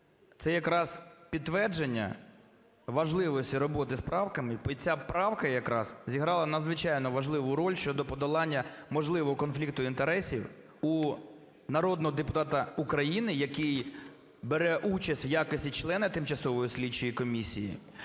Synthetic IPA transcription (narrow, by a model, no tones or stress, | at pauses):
t̪sɛjɐkɾɑz̥pʲidt̪ːʋɛrd͡ʒenʲːɐ̰ | ʋɐʒlˠɪʋɔsʲtʲiɾɔbɔt̪ɪspɾɑwkɐmɪbt͡sʲapɾɑwkɐjɐkɾɑ̰zzʲiɦɾɑlˠɐnɐd̪zʋɪt͡ʃɑjnɔʋɐʒlˠɪʋʊɾɔlʲʃt͡ʃɔd̪ɔpɔd̪ɔlˠɑnʲːɐmɔʒlˠɪʋɔɦɔkɔnflʲikt̪ʊint̪eɾɛsʲiw | u | nɐɾɔd̪nɔɦɔd̪epʊt̪ɑt̪ɐukɾɐjinɪjɐkɪj | beɾɛʔut͡ʃɐsʲtʲwjakɔsʲtʲit͡ʃlˠɛnɪt̪ɪmt͡ʃɐsɔʋɔjisʲlʲit͡ʃːɔjikɔmʲisʲḭjḭ